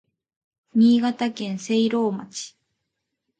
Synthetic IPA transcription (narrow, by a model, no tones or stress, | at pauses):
ɲʲiːɡat̪akẽ̞ñse̞iɾo̞ːma̰t͡ɕi̥